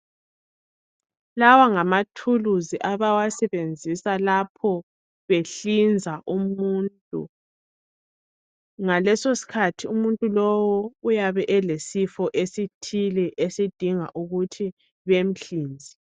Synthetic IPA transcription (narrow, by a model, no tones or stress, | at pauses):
lawaŋamatʰuluziʔaβawasɛβend͡zʱisalapʰɔ | βeɬind͡zʱaʔumuntʼṵ | ŋalɛsosi̥kʰatʰiumuntʼulɔwɔujaβɛʔɛlesifɔʔesitʰilɛʔesid̥ʱiŋa̰ʔuɣutʰi | βem̩ɬiːnd͡zʱi